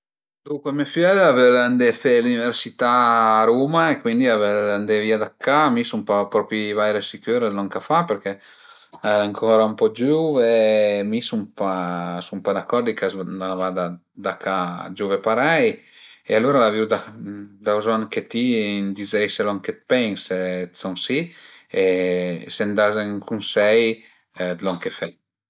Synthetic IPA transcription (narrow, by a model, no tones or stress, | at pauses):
d̪uŋkwemefɛlaveɾand̪efeluniveɾsit̪aːɾuːmaekwind̪iaveand̪eviad̪akʰːamisumpapɾɔpivajɾesikøːɾezlɔŋkafapeɾke | aaŋkʰɔɾaumpɔd͡ʒuːvemisumpasumpad̪akːɔɾd̪ikazaavad̪a | d̪akʰad͡ʒuvepaɾɛjealuɾalaviwd̪ad̪awzɔnket̪ind̪izɛjselɔŋket̪̚pɛŋset̪sɔŋsiesend̪azeŋkʰunsɛj | d̪lɔŋkefɛj